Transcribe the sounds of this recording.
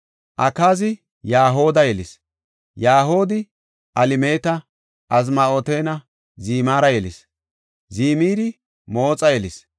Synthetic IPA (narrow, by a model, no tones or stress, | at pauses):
ʔɐkaːzɪ | jaːɦo̞ːd̪ɐjɛlɪs | jaːɦoːd̪ɪ | ʔɐlɪmeːt̪ɐ | ʔɐz̬maoːt̪eːnɐ | ziːmaːɾɐjɛlɪs | ziːmiːɾɪ | moːt͡sʼɐjɛlɪs